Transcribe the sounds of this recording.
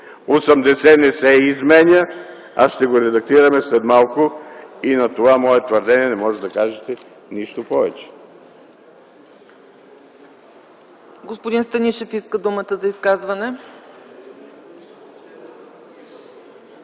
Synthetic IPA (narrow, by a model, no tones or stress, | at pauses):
osɐmd̪ɛsɛnɛsɛizmɛnʲə | a̰sʃt̪ɛɡoɾɛd̪ɐk̚t̪iɾɐmɛslɛd̪malˠkʊinɐt̪ovamɔɛt̪vɐɾd̪ɛniɛnɛmɔʒɛt̪d̪ɐkaʒɛt̪ɛ | niʃt̪opɔvɛt͡ʃɛ̥ | ɡospod̪inst̪ɐniʃɛfiskəd̪umət̪əzɐiskazvɐnɛ